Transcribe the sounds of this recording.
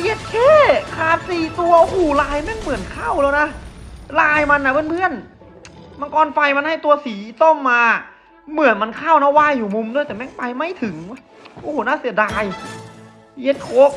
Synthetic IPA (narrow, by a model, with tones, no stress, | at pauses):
je˧˥t̪̚kʰeː˧˥˨kʰaː˨˩t̪̚siː˨˩t̪u˧ɐ˧huː˧˩laː˧jmɛ˧˥˨npɯː˨˩ənkʰa˥˩˨wlɛː˧˥˩wna˦˥laː˧jma˧nːa˧˩pe˧˥˨npʰɯ˧˥˩ən | ma˧˨nkɔː˧nfa˧jma˧nha˥˩jt̪u˧ɐsiː˩˦so˥˩mːaː˧ | mɯ˨˩˦ənma˧nkʰaː˥˩wna˧˥˩waː˧˥˩jːuː˨˩mu˧mdu˧˩˨jt̪ɛː˨˩mɛ˦˧˥npa˧jma˥˩jt̪ʰɯ˨˩˦ŋ˧˥˩ | ʔoː˧˨uː˨˩naː˧˥˨si˨˩˦ɐdaː˧j | je˧˥t̪̚kʰoː˦˥k̚